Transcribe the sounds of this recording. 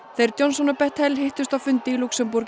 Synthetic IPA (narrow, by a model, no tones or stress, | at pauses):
θejɾt̪jonsɔnɔpɛht̪hɛlhɪht̪ʏst̪awfʏnt̪ɪiluksɛmpuɾc